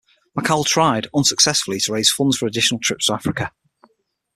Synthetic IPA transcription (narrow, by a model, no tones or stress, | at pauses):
məkʰalˠtʰɹ̥aɪdə̃nsəksɛsfəlˠɪtʰəɹeɪz̥fʊ̃ndz̥fəɹədɪʃənəlˠtʰɹ̥ɪ̰pstʰəvafɹɪkə